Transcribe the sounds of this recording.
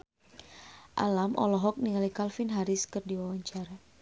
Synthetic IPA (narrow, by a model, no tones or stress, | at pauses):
ʔa̰lamʔɔ̰lɔɦɔk̚niŋalikalfinɦaɾiskɨrdiwawaɲt͡ʃaɾa